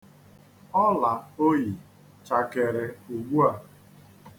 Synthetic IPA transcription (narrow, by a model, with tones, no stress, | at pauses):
ɔ˦la˨o˦ji˨ | t͡ʃa˨ke˨ɾɪ˨u˨ɡ͡bʷu˦a˨